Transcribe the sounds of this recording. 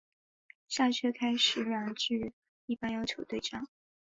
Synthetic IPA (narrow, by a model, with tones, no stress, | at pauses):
ɕja˥˩ɕʰɥɛ˥kʰa˥ɪʂɻ̩˨˩ɻa˧˩nʈ͡ʂɻ̩˥˩ | i˥˩pa˥˧njɑ˥ʊt͡ɕʰjo˧˥ʊt̪we˥˩ɪʈ͡ʂɑ˥˩ŋ